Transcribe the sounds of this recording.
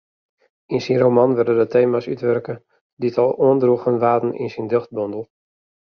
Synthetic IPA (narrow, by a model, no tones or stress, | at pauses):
insinromanʋɪrdədətʰeːmasy̰tʋɛrkə | diətʰɔlˠuəndruɣənʋaːtn̩ḭnsindøxt̚bɔndəlˠ